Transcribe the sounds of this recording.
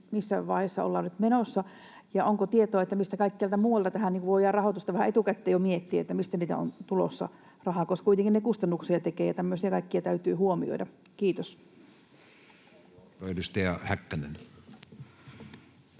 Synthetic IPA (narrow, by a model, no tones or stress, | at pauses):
misːæʋɑˑihesːɑ̰o̰lːɑːnyt̪menosːɑ | jɑoŋkot̪iet̪oːet̪ːæmist̪ækɑikːiælt̪æmuːʋɑlt̪ɑt̪æhæniːŋkuʋʋoˑijɑːrrɑhoˑt̪ust̪ɑʋæhæet̪ukæt̪ːeːjomiet̪ːiæḛt̪ːæmist̪æniːt̪æ̰o̰nt̪ulo̰sːɑ̰ | rɑhɑˑkoskuit̪eŋkinnekust̪ɑnːuksiɑt̪ekeːjɑt̪æmːøsiɑkɑikːiɑt̪æyt̪yːhuomio̰idɑ | kiːt̪os | etyst̪eɑhækːænḛn